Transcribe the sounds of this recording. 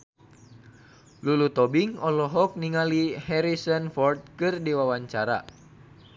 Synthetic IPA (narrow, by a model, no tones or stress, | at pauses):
lulut̪ɔbiŋɔlɔɦɔk̚niŋalihɛɾisɔnfɔrt̪̚kɨrdiwawaɲt͡ʃaɾa̰